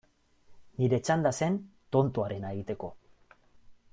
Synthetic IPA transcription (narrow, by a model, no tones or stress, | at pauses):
niɾe̞t͡ʃand̪ase̞nt̪o̞nt̪uaɾe̞naeɣ̞it̪e̞ko̞